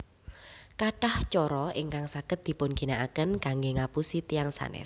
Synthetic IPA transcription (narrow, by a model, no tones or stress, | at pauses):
kaʈaht͡ʃɔɾɔiŋkaŋsaɡ̥ət̪̚d̪̥i̤pʊnɡ̥inaʔakənkaŋɡeŋapusit̪iaŋsa̰nɛ̰s